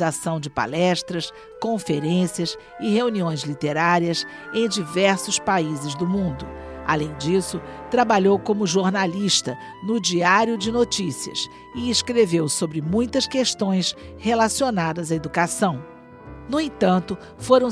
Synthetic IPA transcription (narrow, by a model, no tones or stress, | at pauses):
zasɐ̃w̃d͡ʒɪpa̰lɛʃt̪ɾɐs | kõfeɾẽsiɐs | ɪheuniõj̃zlit̪eɾaɾiɐs | ẽj̃d͡ʒivɛɾsʊspaizɪzd̪ʊmũnd̪ʊ | a̰lẽj̃d͡ʒisʊt̪ɾabaʎowkõmʊʒoɾnaliʃt̪ɐ | nʊd͡ʒiaɾjʊd͡ʒɪnot͡ʃisiɐ̰s | ɪeskɾevewsobɾɪmũj̃t̪ɐskeʃt̪õj̃shelasionad̪ɐzɐed̪ukasɐ̃w̃ | nʊẽt̪ɐ̃nt̪ʊ | foɾɐ̃w̃